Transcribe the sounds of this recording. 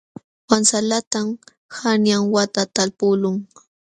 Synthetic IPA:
wansalat̪am | hanjaŋwat̪at̪alpʊlʊŋ

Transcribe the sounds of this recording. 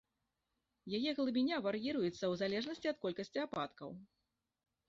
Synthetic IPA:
jajɛɣlˠɨbʲinʲavaɾjiɾujut̪sːɐwzalʲɛʐnɐsʲt͡sʲiɐt̪̚kɔlʲkɐsʲt͡sʲiapa̰t̪kɐ̰w

